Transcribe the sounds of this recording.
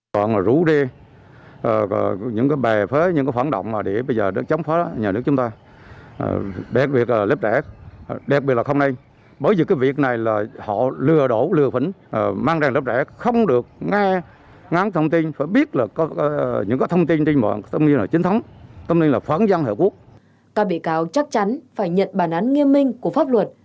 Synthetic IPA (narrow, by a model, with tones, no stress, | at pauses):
kɔ̰˧˨naː˨˩zu˧˥ze˧ | ʔɲɨ̰˧˥ŋkaː˨˦jɓɛ˨˩fe˨˦ɲɨ̰˧˥ŋkaː˨˦jwaː˧˦nɗə̰˧˨wŋ͡mmaː˨˩ɗe˧˩ɓə˧jzəː˨˩ɗt͡ɕɔ˨˦wŋ͡mfaː˨˦˥ɲaː˨˩nɨ˦˥əkt͡ɕʊ˨˦ŋ͡mt̪a̰ː˧˨˩ | ɗa˨˩t̚ɓi˨˩ət̚laː˨˩lə˦˥p̚zɛ˧˩˨ɗa˨˩ɓi˨˩t̚laː˨xə˧wna˧j | ɓəː˧˩jzi˨˩kaː˨˦jvi˨˩ək̚na˨˩jlaː˨˩hɔ̰˧˨lɨ˨˩əɗo˧˩˦lɨ˨˩əfi˧˩˦n˨˩maː˧ŋzaː˧ŋlə˦˥p̚zɛ˧˩˥xə˧wŋ͡mɗɨ˨˩ək̚ŋɛ˧ | ŋa˨˦n˦t̪ʰə˧ŋ͡mt̪i˧nfaː˧˩jɓi˦˥ət̚laː˨˩˨ɲɨ̰˧˥ŋkaː˨˦jt̪ʰə˧ŋ͡mt̪i˧nt͡ɕe˧ŋmə̰ː˧˨n˩t̪ʰə˧wŋ͡mt̪i˧nlaː˨˩t͡ɕi˨˦n̟t̪ʰwŋ͡mt̪ə˧wŋ͡m̪i˧ŋlaː˨˩fə̰˧˥˦nza˧nhə̰˧˨ku˦˥ək̚ | kaː˦˥k̚ɓḭ˧˨kaː˨˦wt͡ɕa˦˥k̚t͡ɕa˨˦nfaː˧˩jɲə̰˧˨nɓaː˧˩nʔa˨˦nŋi˧əmːï˧ŋ̟ku˧˩əfaː˦˥p̚lwə˨˩t̚